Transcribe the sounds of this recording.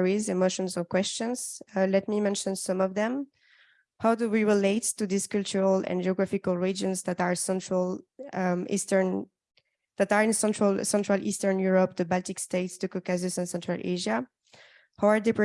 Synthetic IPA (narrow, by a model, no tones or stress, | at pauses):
ɹizɪmoʃɔ̃nzɔ̃nkw̥ɛst͡ʃə̃nz̥lɛt̚mimɛ̃nʃə̃nsʌ̃mɔvðɛ̃m | hawduwiɹileɪttuðiskɔlt͡ʃuɹalɛ̰̃nd͡ʒiɔɡɹafikalˠɹid͡ʒə̃nzðætaɹsɛ̃ntɹəl | ḭstə˞n | ðætaɹɪ̃nsɛ̃ntʰɹalsɛ̃ntɹalʔḭstə˞njuɹɔp̚dəbalˠtɪksteɪtstukɔkazɨsɛ̃nsɛ̃ntʰɹ̥alʔḛʒa | hawaɹdɛpɹ